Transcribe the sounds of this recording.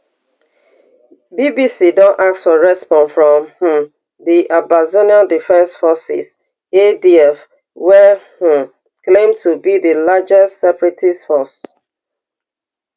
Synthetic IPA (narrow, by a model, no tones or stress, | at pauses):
bibisidɔ̃nʔak̚sfɔɹɛspɔ̃nfɹɔ̃mh̩m | ðiʔabazoniãdifɛ̃nsfɔsɪ̰s | ediɛf | wɛhu | klẽmtʰubiðilad͡ʒɛstsɛpɹitisfɔs